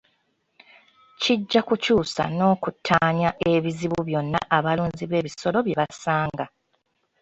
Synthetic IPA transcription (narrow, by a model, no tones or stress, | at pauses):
ciɟːakucuːsa̰no̞ːkutʰːaːɲaʔe̞βiziβuβjo̞nːaʔːβaluːɲziβe̞ːβiso̞lo̞βje̞βasaːŋɡa